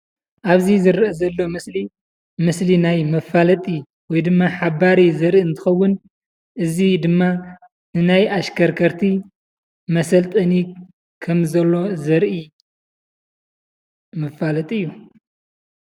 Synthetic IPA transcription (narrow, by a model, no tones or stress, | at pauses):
ʔaβzizɨɾʔɐzɐlːo̞mɨsli | mɨslinajmɐfalɐt̪ʼi | wɔjd̪ɨmːaħaβaɾizɐɾʔiɨnt̪ʰɨ̥xɐwːʊn | ʔɨzid̪ɨmːa | nɨnajaʃkʰɐɾkʰɐɾt̪ʰi | mɐsɐlt̪ʼɐni | kʰɐmzɐlːo̞zɐɾʔi | mɐfalɐt̪ʼiɨjːu